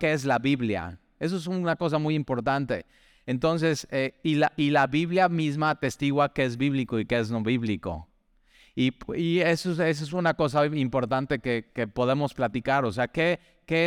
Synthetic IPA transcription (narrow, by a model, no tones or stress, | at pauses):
keezlaβiβlja̰ | e̞s̬oes̬unako̞s̬amujimpo̞ɾt̪ant̪e̞̰ | ent̪o̞ns̬e̞seilaʔilaβiβljamizmat̪e̞st̪iɣwakeezβiβliko̞ikeezno̞βiβliko̞̰ | ipiesoses̬es̬unako̞s̬aimpo̞ɾt̪ant̪e̞kekepo̞ð̞e̞mo̞splat̪ikaɾo̞seake̞ | ke